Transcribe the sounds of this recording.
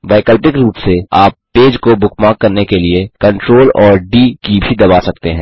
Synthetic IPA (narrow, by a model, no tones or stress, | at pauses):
baːɪkəlpɪkɾuːpseaːpːeːd͡ʒkobʊkmãːkːɐɾnekeliekɐ̃ɳʈɾoːlɔːɾɖiːkibʱid̪ɐbaːsɐk̚t̪eɦɛ̃ː